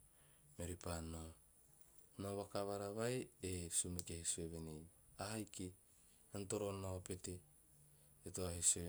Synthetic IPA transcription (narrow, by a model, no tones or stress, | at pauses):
meɾipano | noβakaβaɾaβaeesumekehisueβenejahajki | anto̞ɾo̞nope̞teː | toahisue